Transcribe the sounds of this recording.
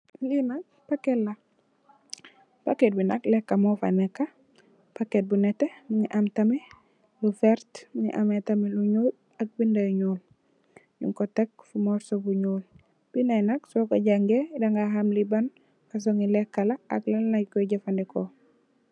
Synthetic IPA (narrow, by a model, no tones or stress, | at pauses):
linak̚pakelːa | paket̚binaklɛkːamɔfa̰nɛkːa | paket̚bunɛtemiŋiʔamtamɛ | lufɛɾtmiŋḭʔametamiluɲuːl | ak̚bindajɲuːl | ɲṵŋkɔtek̚fumɔɾsobuɲol | b̥inajnaksɔkaɟaŋɡedaŋɡaɦamliban | kas̬oŋilɛkːalaa̰klalnajkɔɟafandɛko